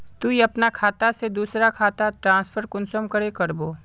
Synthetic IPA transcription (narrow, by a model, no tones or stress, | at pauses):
t̪uiɐpnakʰaːt̪ased̪uːsɾakʰaːt̪aʈɾãːspʰəɾkʊnsəmkəɾekɐɾboː